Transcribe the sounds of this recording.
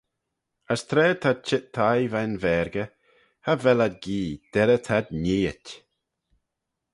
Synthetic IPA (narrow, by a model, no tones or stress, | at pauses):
əst̪ʰɾɛːt̪ʰat͡ʃɪt̪ʰːajvanvɛːɾɡə | havɛlad̪̚ɡiːd̪̥ɛɾət̪ʰad̪niːətʲ